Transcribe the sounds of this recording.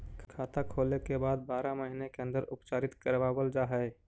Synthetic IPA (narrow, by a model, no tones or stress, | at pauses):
kʰaːt̪akʰoːlekebaːd̪̚baːɾaməɦinekeə̃nd̪əɾʔʊpt͡ʃaːɾɪt̪kəɾʋaːbəld͡ʒaːɦɛe